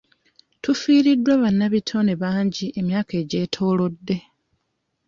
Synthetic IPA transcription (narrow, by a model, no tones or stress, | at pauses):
tufiːɾidːwaβanːaβitʰo̞ne̞βaːɲɟiʔe̞mjaːke̞ːɟe̞ːtʰo̞ːlo̞dːe̞